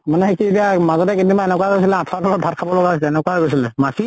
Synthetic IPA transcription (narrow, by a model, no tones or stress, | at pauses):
manɛɦekietiamazɔtɛkindimbaɛnɛkwaɡojs̬ilɛatʰabʰɔlɔt̚bʱatkʰabɔlɔɡaɦosɛɛnɛkwaɡosilɛmaki